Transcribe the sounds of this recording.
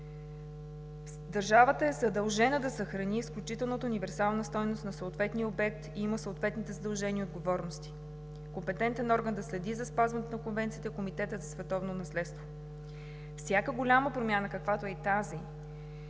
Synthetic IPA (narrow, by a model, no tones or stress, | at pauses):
d̪ɐɾʒavət̪əɛzɐd̪ɐlˠʒɛnəd̪ɐsəxɾɐniːsklʲut͡ʃit̪ɛlˠnət̪əunivɛɾsalˠnəst̪ɔjnost̪nɐsoot̪vɛt̪niəobɛk̚t̪iiməsoːt̪vɛt̪nit̪ɛzəd̪ɐlˠʒɛnʲiəod̪ɡovɔɾnost̪i̥ | kompɛt̪ɛnt̪ɛnɔɾɡənd̪ɐslɛd̪izɐspazvɐnɛt̪onɐkonvɛnt̪sit̪ɛkomit̪ɛt̪əzɐsvɛt̪ɔvnonɐslɛt̪st̪vo | fsʲjakəɡʊlʲaməpɾomʲjanəkəkvat̪oɛt̪azi